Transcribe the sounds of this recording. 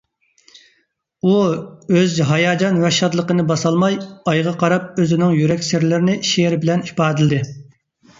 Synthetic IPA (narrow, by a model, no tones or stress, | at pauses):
uøzɦɑjɑːd͡ʒɑnwɛʃɑd̪lˠəqənɨbɑsɑlˠmɑjɑjʁɑqʰɑɾɑp̚øzɪnɪŋjyɾɛkʲsɪɾlɪɾɪnɪʃeɾbɪlɛni̥pɑːd̪ɪld̪ɪ